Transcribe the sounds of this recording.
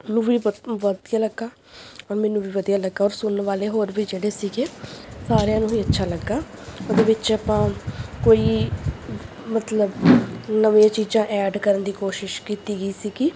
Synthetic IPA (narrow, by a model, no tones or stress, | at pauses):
nũːʋiːʋəd̪jaːləɡːaː | ɔːɾmɛ̃ːnũːʋiːʋəd̪ijaːləɡːaːɔːɾsʊnʋaːleːɦoːɾbiːd͡ʒeːɽeːsiːɡeːsaːɾjãːnũːiːətːʃʰaːləɡːaː | od̪eːʋɪt͡ʃaːpãːkoːiː | mət̪ləbnəʋjãːt͡ʃiːd͡ʒãːʔɛːɖkəɾənd̪iːkoːʃɪʃkiːt̪iːɡəiːsiːɡɪ